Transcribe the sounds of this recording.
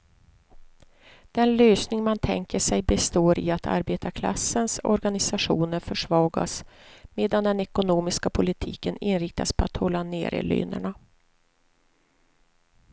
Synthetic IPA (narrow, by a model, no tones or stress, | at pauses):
d̪̥ɛnløːsnɪŋmant̪ʰɛ̰ŋkəʂɛjbɛst̪oːɾɪat̪ʰa̰ɾbeːt̪ʰakʰla̰sːənsɔ̰ɾɡanɪsaɧṵːnəɾfœʂvɑːɡa̰smeːd̪and̪ɛnɛkʊnoːmɪskapʰʊlɪt̪ʰiːkənɪnɾɪk̚t̪aspʰɔat̪hɔlːanḛːɾʔə̰ly̰ːnə̰ɳa